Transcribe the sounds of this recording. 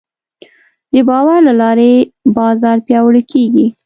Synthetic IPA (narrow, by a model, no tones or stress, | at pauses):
d̪əbɑwaɾlalɑɾebɑzɑɾpjɑwəɽkʰeɡi